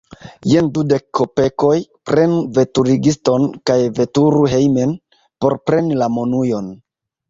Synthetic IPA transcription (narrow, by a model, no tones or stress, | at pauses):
jendude̞kʰːope̞ko̞jpɾe̞nuve̞tuɾiɡisto̞nkajve̞tuɾuɦe̞jme̞n | po̞ɾpɾe̞nilamonujo̞n